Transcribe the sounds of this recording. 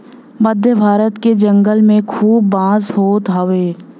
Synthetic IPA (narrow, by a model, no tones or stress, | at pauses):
məd̪ʱjəbʱaːɾət̪ked͡ʒə̃ŋɡəlmẽkʰuːbːãːzɦoːt̪ɦaʋeː